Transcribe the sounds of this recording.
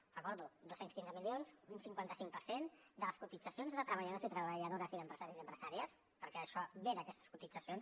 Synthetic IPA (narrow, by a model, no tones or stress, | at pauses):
rəkɔɾðud̪osenskinzəmilionzunsiŋkwant̪əsiŋk̚pəɾsend̪ələskut̪id͡zəsionzðət̪ɾəβəʎəð̞ozit̪ɾəβəʎəðoɾəziðəmpɾəz̥aɾiziəmpɾəz̥aɾiəs | pəɾkɛəʃɔβeðəkɛst̪ə̥skut̪id͡zəsions